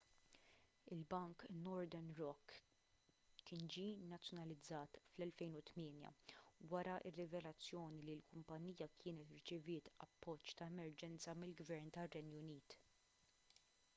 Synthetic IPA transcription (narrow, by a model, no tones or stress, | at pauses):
ɪlbɐŋknɔɾd̪ɛɾnɾɔkː | ɪnd͡ʒinɐt͡sːjɔnɐlɪd͡zːɐːt̪flɛlfɛjnʊt̪mɪːnjɐ̰wɐɾɐʔɪrːɪvɛlɐt͡sːjɔːnililkʊmpɐnːiːjɐkʰɪːnɛt̪ɪɾt͡ʃɪvɪːt̪ɐ̰pːɔt͡ʃːt̪ɐɛmɛɾd͡ʒɛnt͡sɐmɪlɡvɛɾnt̪ɐrːɛnjʊniːt̪